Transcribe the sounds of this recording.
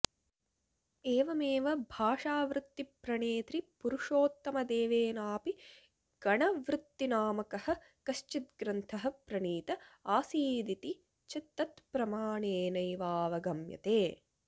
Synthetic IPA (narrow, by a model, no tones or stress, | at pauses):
eːʋɐmeːʋɐbʱaːʂaːʋɾut̪ːipɾɐɳeːt̪ɾipuɾuʂoːt̪ːɐmɐd̪eːʋeːnaːpi | ɡ̥ɐɳɐʋɾut̪ːinaːmɐkɐhɐ̆ | kɐʃt͡ʃit̪̚ɡɾɐnt̪ʰɐɦɐ̆pɾɐɳiːt̪ɐaːsiːd̪it̪i | t͡ʃit̪ːɐt̪pɾɐmaːɳeːnɐjʋaːʋɐɡɐmjɐ̰t̪eː